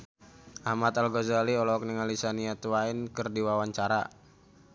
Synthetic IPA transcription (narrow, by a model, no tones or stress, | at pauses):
ʔahmat̪alɡɔzaliɔlɔk̚niŋalisaniat̪uwainkɨrdiwawaɲt͡ʃaɾa̰